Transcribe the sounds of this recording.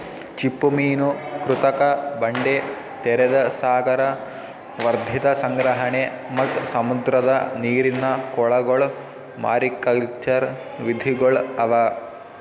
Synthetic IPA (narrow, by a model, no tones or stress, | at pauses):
t͡ʃipːumiːnukɾut̪ɐkɐbɐɳɖe | t̪eɾɐd̪ɐsaːɡɐɾɐ | ʋɐɾd̪ʱit̪ɐsɐŋɡɾɐɦɐɳe | mɐt̪sɐmud̪ɾɐd̪ɐniːɾinːɐkɔɭɐɡoɭ | ma̰ːɾikːɐlt͡ʃɐɾ | ʋid̪ʱiɡɐɭɐʋɐ